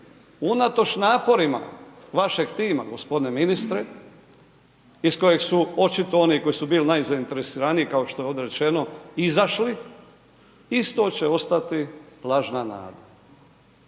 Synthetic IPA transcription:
unat̪o̞t͡ʃnaːpo̞ɾima̰ʋaʃe̞ɡt̪iːmaɡo̞spo̞d̪ineminist̪ɾe | isko̞je̞ɡsuo̞t͡ʃit̪o̞o̞niko̞jisubiːlnajzaint̪e̞ɾesiːɾaniikaoʃt̪ojo̞d̪eɾe̞t͡ʃe̞no̞izaʃli | ist̪o̞t͡ɕe̞o̞st̪at̪ilˠaʒnana̰ːd̪a

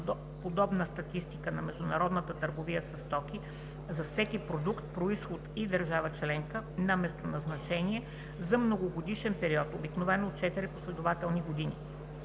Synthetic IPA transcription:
pod̪ɔbnəst̪ɐt̪ist̪ikənɐmɛʒd̪ʊnɐɾɔd̪nət̪ət̪əɾɡovijəsɐst̪ɔki | zɐfsɛkipɾod̪ukt̪̚pɾoisxot̪id̪əɾʒavət͡ʃlɛŋkənamɛst̪onɐznɐt͡ʃɛniɛ | zɐmnoɡoɡod̪iʃɛnpɛɾiɔt̪obiknovɛnoːt̪̚t͡ʃɛt̪iɾiposlɛd̪ʊvat̪ɛlˠniɡod̪inḭ

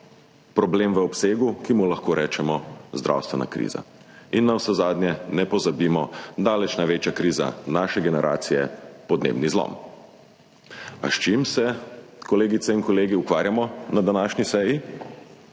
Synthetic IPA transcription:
pɾɔbleːmʋəɔpseːɡukimulaxkoːɾʔɛːt͡ʃɛmɔzd̪ɾʔa̰wst̪ʋɛna̰kɾḭːza̰ | inːawsɛzaːd̪njɛnɛpɔzabiːmɔd̪aːlɛt͡ʃnaʋeːt͡ʃjakɾiːza̰naːʃɛɡɛnɛɾʔa̰ːt̪sijɛ̰pɔd̪nḛːbnizlɔ̰m | a̰ʃt͡ʃimsɛkɔleːɡit̪sɛinkɔleːɡiukʋaːɾjamɔnad̪anaːʃnisɛji

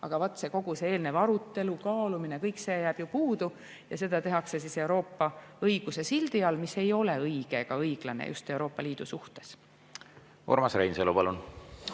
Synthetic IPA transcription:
ɑ̰ɡ̥ɑvot̪ːˑse̞ko̞ɡ̥useeːlnevɑɾut̪ːe̞lukɑːluminekɤjkse̞ːjæːb̥jupuːd̪̥u | jɑse̞d̪̥ɑt̪e̞ɦɑkse̞s̬ise̞wɾo̞ːpːɑɤjɡ̥use̞sild̪̥iɑlmise̞jo̞le̞ɤjɡ̥e̞ɡ̥ɑɤjɡ̥lɑnḛjṵst̪e̞wɾo̞ːpːˑɑliːd̪̥ṵsuht̪e̞̥s | o̰ɾmɑsrejnselupɑlun

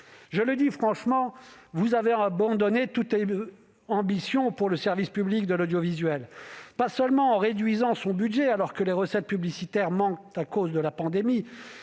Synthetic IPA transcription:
ʒələd̪ifχɑ̃ʃmɑ̃vuzaveabɑ̃d̪ɔnet̪ut̪e | ɑ̃bisjɔ̃puʁləsɛʁvispyblik̚d̪əlɔd̪jɔvizɥɛlpasœlmɑ̃ɑ̃ʁed̪ɥizɑ̃sɔ̃bydʒɛalɔʁkəleʁəsɛt̪̚pyblisit̪ɛʁmɑ̃k̚t̪akozd̪əlapɑ̃d̪emi

